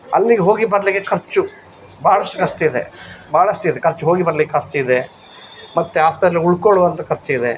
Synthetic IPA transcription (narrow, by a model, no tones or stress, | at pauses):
ɐ̰lːiɡeɦo̞ːɡibɐɾɐlikːekʰɐɾt͡ʃu | baːɭɐsʈukɐsʈuid̪ebaːɭɐsʈuid̪e̞kʰɐɾt͡ʃuɦoːɡibɐɾɐlikːeɐst͡ʃuid̪e̞ | mɐt̪ːeɦaːspɐt̪ɾɐluɭkoɭuʋɐnt̪ɐkʰɐɾt͡ʃuid̪e̞